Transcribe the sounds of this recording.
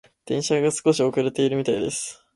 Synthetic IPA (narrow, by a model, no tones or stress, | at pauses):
d̪̥ẽ̞ɰ̃ɕaɡasɨ̥ko̞ɕio̞kɯ̟ɾe̞t̪e̞iɾɯ̟mʲit̪aid̪e̞sɨ̥